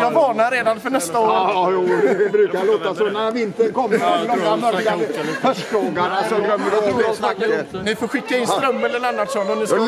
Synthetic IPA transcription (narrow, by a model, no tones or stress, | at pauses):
javɑːɳaɾeːd̪anfœɳɛst̪aoːjud̪ɛbɾʉ̟ːkaloːt̪asɔnæɾvɪnt̪ənkʰɔmːəɾɔd̪ɔmamœːlɪɡahœsʈfɾoːɡanasɔɡɾœmːət̪akːnɪfoːɧɪkːaɪnstt̪ɾœmːɛlɛlɛnːaʈʂɔnd̪ɔnɪ